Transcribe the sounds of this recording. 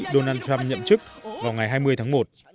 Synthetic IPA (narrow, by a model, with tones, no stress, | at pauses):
ɗo˧naː˧nt̪ʰɹa˧mɲə̰˧˨mt͡ɕɨ˦˥k̚vaː˨˩wŋa˨˩jɦaː˧jmɨ˧əjt̪ʰaː˨˦ŋmo˨˩t̚